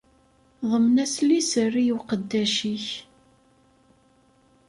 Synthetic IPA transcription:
ðˤəmnæslisərːijwqəd̪ːæʃiç

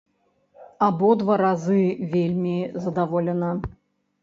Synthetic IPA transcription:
abɔd̪vaɾazɨvʲelʲmʲizɐd̪avɔlʲɛnɐ

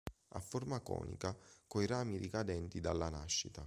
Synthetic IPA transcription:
a̰fːormakɔ̰ːnḭkakojɾaːmiɾikad̪ɛnt̪id̪alːanaʃːit̪a

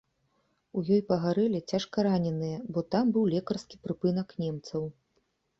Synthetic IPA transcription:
ujɔjpɐɣaɾɛlʲit͡sʲaʂkɐɾanʲɛnɨjɛbɔt̪ambɨwlʲɛkɐrskʲipɾɨpɨnɐknʲɛmt̪sɐw

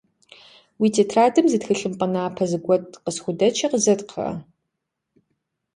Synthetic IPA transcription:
wiːtʰeːtʰraːdɨmzɨtxɨɬʼɨmqʼɐnaːpʰɐzɨɡʷɔtʼqəsxʷʊdɐt͡ʃʰɐqəzɐtqʰɐ̰

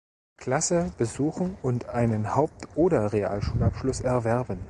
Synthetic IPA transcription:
kʰl̥asəb̥əzuːxn̩ʊntʰʔaɪnənhaʊp̚tʰʔoːɾɐʁea̰ːlʃuːlapʃlʊsɛɐvɛɐbən

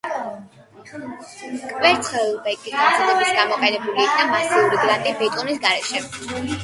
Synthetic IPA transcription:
kʼvɛɾt̪sʰχɛlbɛkʼisaslˠɔbisɡamɔqʼɛnɛbuliːkʰnamasiuɾiɡɾant̪ʼibɛt̪ʼɔnisɡaɾɛʃɛ

